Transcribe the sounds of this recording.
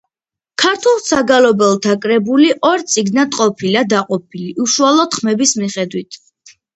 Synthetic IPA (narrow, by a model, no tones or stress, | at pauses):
kʰaɾt̪ʰulˠsaɡalɔbɛlˠt̪ʰakʼɾɛbuliʔɔɾt̪sʼiɡnad̪̥qʼɔpʰilad̪aqʼɔpʰiliʔuʃualˠɔd̪̥χmɛbismiχɛd̪wit̪ʰ